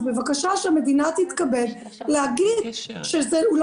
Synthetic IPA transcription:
bevakaʃaʃeame̞d̪inat̪hit̪kabed | lehaɡidʃezeul

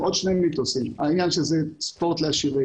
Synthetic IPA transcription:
ʔod̪ʃneminit̪osima̰injanʃezɛspoʁt̪leaʃive

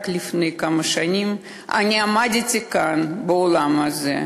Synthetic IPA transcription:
klʲifnɨjkamɐʃanʲim | a̰nʲiamadʲitʲɪkanbəolˠamazɛ̰

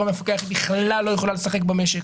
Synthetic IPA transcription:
amefakeaχibiχlalːo̞jeχolalesaχe̞k̚bameʃek

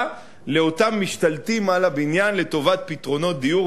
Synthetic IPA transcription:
leo̞tamːiʃtalt̪imalabinjanle̞t̪o̞vat̪̚pit̪ʁo̞no̞t̚d̪iju

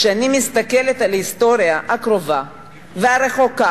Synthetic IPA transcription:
ʃeanimist̪akelet̪alhist̪o̞ɾijaakʁo̞va | veaʁe̞χo̞ka

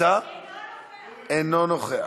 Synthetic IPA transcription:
a | enonoχea̰

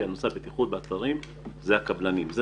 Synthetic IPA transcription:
anoseabet̪iχud̪̚beːt̪aʁim | zeakablanimze

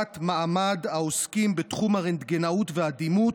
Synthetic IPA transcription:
tmaʔamad̪aoskimbet̪χumhaʁend̪ɡenautvead̪imu

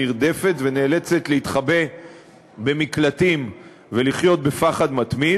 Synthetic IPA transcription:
iʁd̪e̞fe̞t̪ve̞neːle̞t͡se̞t̪leit̪χabe̞ | be̞miklat̪im | ve̞liχjo̞t̪̚be̞faχad̪mat̪mi

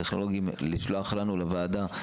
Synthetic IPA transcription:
eχno̞lo̞ɡiimlit͡ʃloaχlanulevaːd̪a

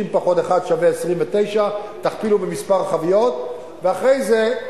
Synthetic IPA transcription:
impaχo̞t̪eχad̪ʃaveesʁimvet̪e̞jʃat̪aχpilubemispaʁχavijo̞t̪ | veaχʁejze

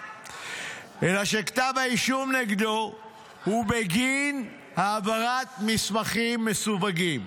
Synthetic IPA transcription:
ʔelaʃekḁt̪avaiʃumneɡd̪o | hubeɡin | haːvaʁat̪mismaχimːesuvaɡim

